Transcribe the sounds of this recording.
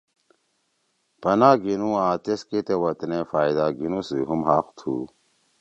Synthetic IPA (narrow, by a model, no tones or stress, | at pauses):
pɐnaːɡinũãːt̪esket̪ewɐt̪nefaːid̪aːɡinusiɦumɦaːxt̪ʰṵ